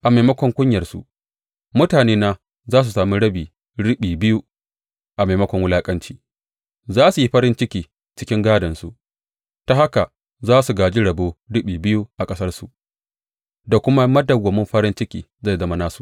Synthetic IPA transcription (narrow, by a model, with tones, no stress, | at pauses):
ʔa˨ma˨mɐ˦kʷɔ˨ŋkʷʊ˦ɲjɐ˨rsu˨ʔ | mʊ˦taː˨neː˦naː˦ | zaː˦s̬u˨saː˨mi˦ɽɐ˦biː˨ | ɽɪ˦ɓiː˨bɪ˦ju˦ | ʔa˨ma˨mɐ˦kʷɔ˨ŋwʊ˦laː˦kʼɐ˦nt͡ʃiː˦ | zaː˦su˨ji˦ɸɐ˦ɾɪ˦nt͡ʃɪ˦kʲiː˨ | t͡ʃɪ̥˦kʲɪ˦ŋɡaː˦dɐ˨nsu˨ʔ | ta˦ha˦ka˨ | zaː˦su˨ɡaː˨d͡ʒi˦ɽɐ˨boː˦ɽɪ˦ɓiː˨bɪ˦ju˦ʔa˨kʼɐ˦sɐ˦rsu˨ʔ | da˨kʷʊ˦ma˦mɐ˦dɐ˨wɐ˨mʊ˦mɸɐ˦ɾɪ˦nt͡ʃɪ˦kʲiː˨za˦˨zɐ˦ma˦naː˦su˨